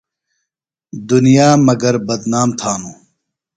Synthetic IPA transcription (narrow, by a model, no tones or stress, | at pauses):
d̪unijaːmɐɡɐɾbɐd̪naːmt̪ʰaːnuː